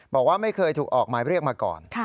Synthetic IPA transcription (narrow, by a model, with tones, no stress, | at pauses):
bɔː˨˩k̚waː˥˩ma˥˩jkʰɤː˧jt̪ʰuː˨˩k̚ʔɔː˨˩k̚maː˨˦jɾi˥˩ək̚maː˧kɔ̰ː˨˩nʰ˥˩